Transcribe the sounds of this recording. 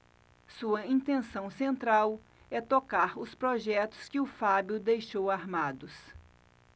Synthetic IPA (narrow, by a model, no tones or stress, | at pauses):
suɐĩnt̪ẽsɐ̃w̃sẽnt̪ɾaw | ɛt̪okaɾʊspɾoʒɛt̪ʊ̥skɪʊfabiʊd̪ejʃowaɾmad̪ʊs